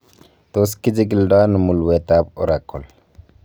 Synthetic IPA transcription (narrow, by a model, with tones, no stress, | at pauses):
t̪o˦ski˦d͡ʒi˦ɡi˨lda˦nu˨mu˨lwe˨ta˦bɔ˦ɾa˨kɔ˨l